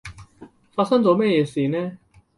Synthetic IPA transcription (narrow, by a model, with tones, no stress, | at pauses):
faː˧t̚sɐ˥ŋt͡so˨˧wmɛː˥jɛː˨˧siː˨nɛː˥